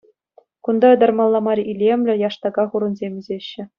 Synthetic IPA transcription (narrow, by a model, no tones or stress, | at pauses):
kund̪ɑɤ̆d̪ɑ̆rmɑlˠːɑmɑrʲilʲemʲlʲɘ̆jɑʂt̪ɑɡɑχuɾɤ̆nzʲemʲĭzʲeɕːɘ̆